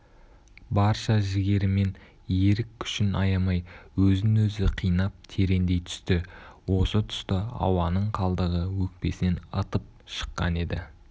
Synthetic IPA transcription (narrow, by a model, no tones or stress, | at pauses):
bɑɾʃɑʒɪɡʲe̞ɾɪme̞n | je̞ɾɪkʲʰːʏ̥ʃɪnʔɑ̰jɑmɑjwɵzɪnwɵzɪqʰijnɑp̚t̪ʰe̞ɾe̞nd̪e̞jt̪ʰʏ̥st̪ɪwo̞sət̪ʰʏ̥st̪əɑ̰wɑnəɴqʰɑlˠd̪əʁəwɵk̚pe̞sɪne̞nə̰t̪əp̚ʃə̥qːɑ̰ne̞d̪ɪ